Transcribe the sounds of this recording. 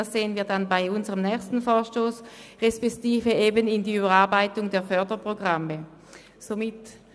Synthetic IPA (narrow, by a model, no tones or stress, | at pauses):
sz̥eːənviːɐdanbaɪʊnzəʁəmnɛːçstn̩foːɐʃtoːsʁɛspɛktiːfəeːbənɪndiːybɐʁaɐbaɪtʊŋdeːɐfœɐdəpʁ̥oɡʁamə | zomɪt